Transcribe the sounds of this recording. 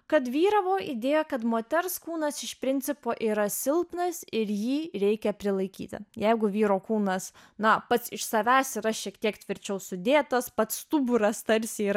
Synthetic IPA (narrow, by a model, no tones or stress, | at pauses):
kɐt̪ʋʲiːɾɐʋoːʔid̪ʲeːjɛkɐt̪moːt̪ʲɛrskuːnɐsɪʃpʲɾʲɪnʲt̪t͡ssʲɪpoːʔiːɾɐsʲɪlˠpnɐsɪɾjiːɾʲɛɪkʲɛpʲɾʲɪlˠɐɪkʲḭːt̪ʲɪ̰jɛɪɡʊʋʲiːɾoːkuːnɐs | nɐpɐt̪sɪʃsɐʋʲæːsɪɾɐʃʲiɛkt̪ʲiɛkt̪ʲʋʲɪɾʲt͡ʃʲɛʊsʊd̪ʲeːt̪ɐspɐt̪st̪ubʊɾɐst̪ɐɾʲsʲiiːɾ